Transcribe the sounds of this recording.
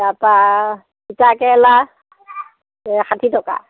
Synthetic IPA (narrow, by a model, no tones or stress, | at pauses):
dapa | itakɛla | xatʰitɔka̰